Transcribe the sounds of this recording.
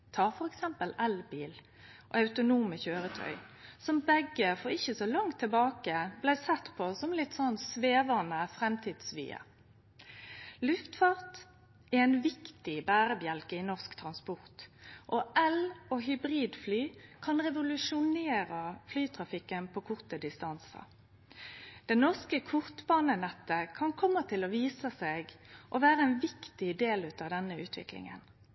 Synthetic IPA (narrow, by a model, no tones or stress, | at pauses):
t̪ʰɑːʁfɔɾɛksɛmpəlɛlbiːl | ʔɔ̰ɑʉt̪ʊnuːməçøːɾət̪ʰœ̰ʏ | sɔmbɛɡːəfɔʁɪçːəsɔlɑŋt̪ʰːəɪbɑːkəblæɪsɛt̪ːpʰɔsɔmlɪt̪sɔnsʋeːʋənəfɾɛmt̪ʰiːd̪̥sʋḭːə̰ | lʉft̪fɑʁt̪ | ææɪnʋɪkt̪ɪbæːɾəbjɛlkəɪnɔʁskt̪ʰɾɑnspɔʁt̪ʔɔʔɛloːɦʏbʁiːd̪flyːkʰɑnʁɛʋʊlʉʃʊneːʁəflyːt̪ʰʁɑfɪkːənpʰoːkʰʊʁt̪əd̪ɪst̪ɑnsə̰ | d̪̥ɛnɔʁskəkʰʊʁt̪bɑːnənɛt̪ːəkʰɑnkʰɔmːət̪ʰɪlɔʋiːsəseːɡʔɔʋæːʁəɛnʋɪkt̪ɪd̪eːlʉːt̪ɑːʋd̪ɛnəʉːt̪ʰʋɪ̰klɪ̰ŋə̰n